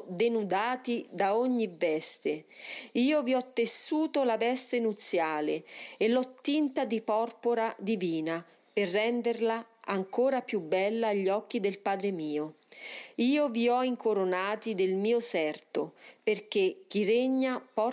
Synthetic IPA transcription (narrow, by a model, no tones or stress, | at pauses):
d̪enud̪aːt̪id̪aoɲːivɛst̪eiːoviɔt̪ːesːuːt̪olavɛst̪enut̪sːjaːleelːɔt̪ːint̪ad̪ipɔrpoɾad̪iviːna | perːɛnd̪erlaaŋkoːɾapjubːɛlːaːʎːɔk̟ːid̪elpaːd̪ɾemiːo | iːoviɔiŋkoɾonaːt̪id̪elmiːosɛrt̪operk̟ek̟ːiɾeɲːapɔ